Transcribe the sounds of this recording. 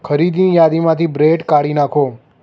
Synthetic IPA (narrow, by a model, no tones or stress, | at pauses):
kʰəɾid̪nĩjad̪imãt̪ʰibɾeʈkaɽinakʰo